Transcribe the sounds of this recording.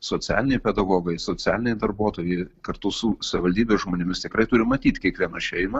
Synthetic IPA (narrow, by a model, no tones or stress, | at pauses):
soːt͡sʲæ̰ːlʲɪnʲɛɪpʲɛd̪ɐɡoːɡɐɪsoːt͡s̪ʲæ̰ːlʲɪnʲɛɪd̪ɐrbuːt̪oːjɛɪkɐrt̪ʊsʊsɐʋʲɪʋɐlʲd̪ʲiːbʲesʒmoːnʲɪmʲɪst̪ʲɪkrɐɪt̪ʊɾʲɪmɐt̪ʲiːt̪ʲkʲiɛkʋʲiɛnɐʃʲɛɪmɐ